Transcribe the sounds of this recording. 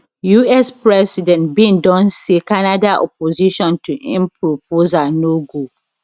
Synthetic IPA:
juɛspɹɛsidɛ̃ntbĩndɔ̃nsekanadaʔɔ̰poziʃɔ̃ntuʔḭ̃mpʰɹop̚ozanoɡo

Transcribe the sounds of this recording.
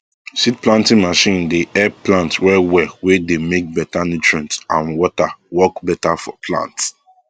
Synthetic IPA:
sit̚plãntĩŋmaʃĩndeʔɛplãntwɛwɛwɛdemek̚bɛtanutɹãntãnwɔtawɔkbɛtafɔ̰pʰlã̰nts

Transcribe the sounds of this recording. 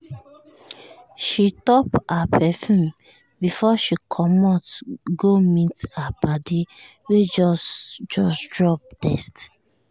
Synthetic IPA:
ʃitɔpapɛfũm | bifɔʃikʰɔmɔtɡomitabadiwed͡ʒɔsd͡ʒɔsdɹɔp̚tɛst

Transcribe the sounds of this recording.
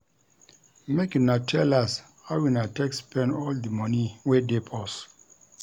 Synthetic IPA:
mekinatʰɛlas | hawinatɛkspʰɛ̃nɔldəmɔ̃niwedepʰɔs

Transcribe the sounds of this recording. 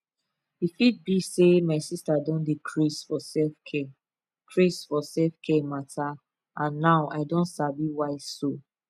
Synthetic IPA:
ifit̚bisemaɪsistadɔ̃ndikʰɹisfɔsɛfkʰɛ | kʰɹisfɔsɛlfkʰɛmata | ãnːaʊʔaɪdɔ̃ntsabiwaɪso

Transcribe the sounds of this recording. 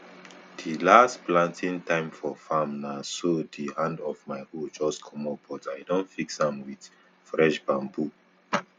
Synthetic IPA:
d̥ilastplãntʰĩntʰãɪ̃mfɔfamnasodihãndɔvmaɪhod͡ʒɔskʰɔmɔbɔtajdõntfiksãmwid | fɹɛʃbãmbu

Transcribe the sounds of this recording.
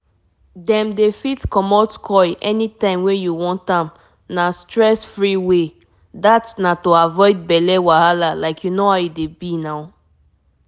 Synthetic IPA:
dɛ̃mdefitkɔmɔtkʰɔjʔɛnitãɪ̃mwɛ̃juwɔ̃ntãm | nastɹɛsfɹiwe | datnatoavɔɪd̚bɛlɛwahalalaɪkʰjunohaʊjudebinaʊ

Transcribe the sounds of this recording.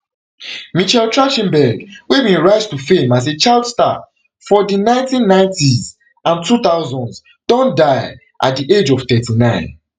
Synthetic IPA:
mit͡ʃɛltɹaʃĩmbɛɡwevĩnɹaɪstufẽmazet͡ʃaɪldsta̰ | fɔdinãɪ̃ntĩnːãɪ̃ntiz | ãntʰuθaʊzɔ̃nd | d̥ɔ̃ndaɪ | ʔa̰t̚diʔed͡ʒɔv̥θɛtinãɪ̃n

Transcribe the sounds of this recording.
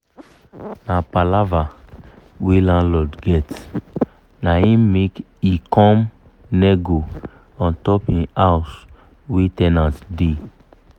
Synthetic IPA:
napalava | welãnlɔdɡɛt | naĩmek | ikɔ̃m | nɛɡo | ɔ̃ntɔpĩas | wetɛnãtde

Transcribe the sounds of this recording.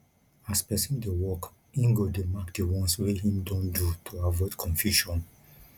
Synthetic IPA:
aspɛsĩndewɔk | ĩŋɡodemakdewɔ̃nsweɦĩmdɔ̃ndutʰoavɔdkʰɔ̃nfjuʃɔ̃n

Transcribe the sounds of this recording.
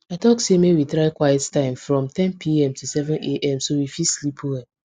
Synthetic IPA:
aɪtɔksemewitɾaɪkwajɛttãɪ̃mfɹɔ̃mtɛ̃npʰiɛ̃mtʰusɛvɛ̃neʔɛ̃msowifislipʰowɛ

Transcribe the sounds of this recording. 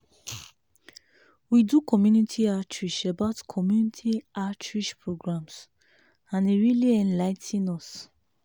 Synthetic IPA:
widukʰɔmjunitʰiatɹiʃabaʊtkʰɔmjunitʰiatʰɹiʃpɹoɡɹãms | ãniɹiliɛ̃nlaɪtʰĩnɔs

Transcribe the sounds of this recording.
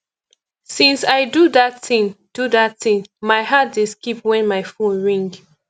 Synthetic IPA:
sĩnsaɪduðatθĩŋd̥uðatθĩŋmaɪɦat̚dɪskipwɛ̃nmaɪfõnɹĩŋɡ

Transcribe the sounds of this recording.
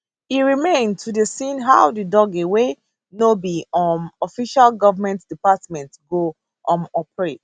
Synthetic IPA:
iɹimẽndtʰudəsĩnɦawdidɔɡewe | nobiɔmɔfiʃalɡɔvəmɛ̃ntd̥ipatmɛ̃ntɡo | ʔɔ̃mɔpɹet

